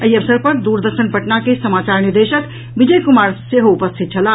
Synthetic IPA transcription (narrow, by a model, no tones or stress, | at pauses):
əjɐʋsəɾpɐɾd̪uːɾd̪əɾʃənpɐʈnakesɐmaːt͡ʃaːɾniɾd̪eʃək | ʋid͡ʒəjkumaːɾseɦoupəst̪ʰit̪̚t͡ʃʰɐla